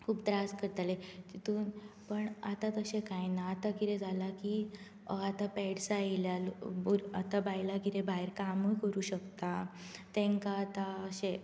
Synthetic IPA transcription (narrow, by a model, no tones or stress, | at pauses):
kʰuːpt̪ɾaskəɾt̪alet̪it̪uːnpəɳat̪at̪əɕẽkajnaːt̪aɡiɾed͡zʱalaki | at̪apɛɽsailjalbuɾat̪abajlaɡiɾebaeɾkamujkəɾuːɕəkt̪at̪ẽŋkaːt̪aəɕe